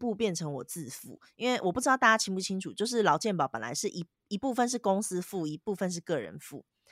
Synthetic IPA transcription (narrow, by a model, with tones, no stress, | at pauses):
pu˥˧pjɛ˥˨˩nʈ͡ʂʰɤ˧˦ŋwɔ˨˩t͡sɹ̩˥˧fṵ˥˩ | i˥nwe˥˩ɪwʔɔ˨˩pu˥ʈ͡ʂɻ̩˥ɑ˥˧t̪a˥˩t͡ɕja˥t͡ɕʰi˥ŋpu˥˩t͡ɕʰi˥ŋʈ͡ʂʰu˨˩t͡ɕjo˥˧ʊʂ̬ɻ̩˥˩lɑ˧˥ʊt͡ɕjɛ˥˩npɑ˨˦ʊpə˨˩nla̰˧˦ɪʂɻ̩˥˩ʔi˧˦ | i˧˥pu˥˧fə˥˨nʂ̬ɻ̩˥˩kʊ˥ŋs̩˥fu˥˩i˧˥pu˥˧fə˥˧nʂ̬ɻ̩˥˩˧kɤ˥˩ɻə̰˧˦nfṵ˥˩